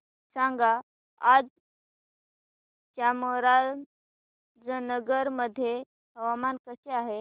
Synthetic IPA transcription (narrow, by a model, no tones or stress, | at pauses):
sãŋɡa | ad͡z | t͡ɕaməɾal | d͡zənəɡəɾməd̪ʱje | ɦəʋamankəseaɦe